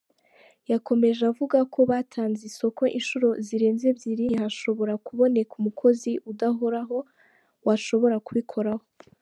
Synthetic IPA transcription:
jako̞me̞ʒavuɡakʰo̞βatʰaːnziso̞ko̞ʔinʃuɾo̞ziɾe̞ːnzebziɾihaʃo̞βo̞ɾakuβo̞ne̞kumukʰo̞ziʔudaɦo̞ɾaɦo̞ | waʃo̞βo̞ɾakuβikʰo̞ɾaho̞

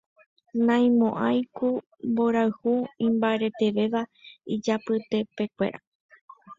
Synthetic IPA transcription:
nãj̃mõʔajku | mboɾaɨhuĩmbaeɾe̞t̪e̞ʋe̞ʋaid͡ʒapɨt̪e̞pe̞kʷe̞̰ɾa

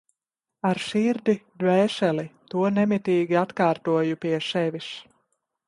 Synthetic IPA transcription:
aɾʃiɾd̪id̪vɛːʃɛlit̪uɔnɛmit̪iːɡʲiat̪kaːɾt̪uɔjupiɛʃɛvis

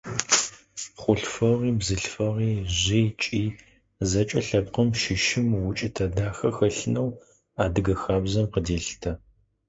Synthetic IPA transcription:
χʷʊɬfɐʁiːbzɨɬfɐʁiːʑit͡ʃʼiː | zɐt͡ʃʼɐɬɐpqəmʃɪʃɪmwʊt͡ʃʼɪtʰɐdaːxɐxɐɬɨnɐw | aːdɨɡɐxaːbzɐmqədeːɬtʰɐ

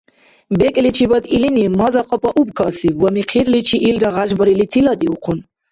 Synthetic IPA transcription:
bɛkʼlit͡ʃʰibad̪ilinimazaqʼɔpʼaʔubkʰɑsivɔmiqʰiɾlit͡ʃʰiʔːlɾaʁaʒbɔɾilit̪ʰilad̪iuqʰun

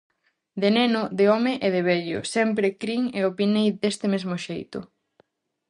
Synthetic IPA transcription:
d̪enenʊðɪɔmɪʔeðeβɛʎʊ̰sɛmpɾɪkɾiŋeopinejd̪est̪ɪmezmoʃejt̪ʊ̰

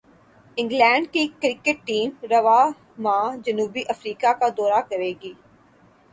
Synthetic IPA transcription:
ɪ̃ŋɡlɛ̃ːɳɖkikɾɪkeʈːiːmɾɐʋaː | mãːd͡ʒɐnuːbiʔɐfɾiːkakad̪ɔːɾakɐɾeːɡiː

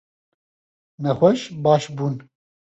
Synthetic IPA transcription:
nɛxʷɛʃbɑːʃbuːn

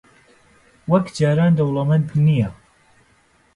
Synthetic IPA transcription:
wɐkd͡ʒaːɾaːnd̪ɐwlˠɐmɐnbʰnija

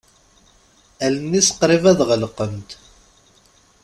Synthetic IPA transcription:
ælənːisə̥qɾɪvæðʁəlqəmt̪

